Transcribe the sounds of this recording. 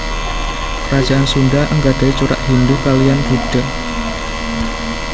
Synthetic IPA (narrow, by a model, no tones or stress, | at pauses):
rad̥d͡ʒ̥aʔansundaʔəŋɡad̥a̤it͡ʃuɾa̰ʔhindukalijanɡ̥uɖ̥ə̤